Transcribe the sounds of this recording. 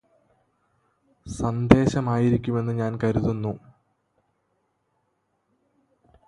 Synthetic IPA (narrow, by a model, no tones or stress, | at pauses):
sɐnd̪ʱe̞ːɕɐmaːjiɾikʲːume̞nːɨɲaːnkɐɾuðunːu